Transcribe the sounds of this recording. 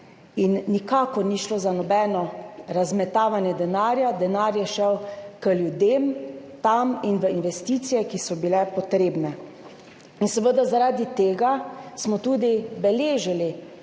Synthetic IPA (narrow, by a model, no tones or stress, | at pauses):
inːikaːkɔɾniːʃlozanɔbɛːnɔɾazmɛt̪aːʋanjɛd̪ɛnaːɾjad̪ɛnaːɾjɛʃɛwkəljud̪emt̪aminʋəinʋɛst̪iːt̪sijɛkisɔbilɛpɔt̪ɾeːbnɛ | insəʋəd̪azaɾaːd̪it̪eːɡasmɔt̪uːd̪ibɛleːʒili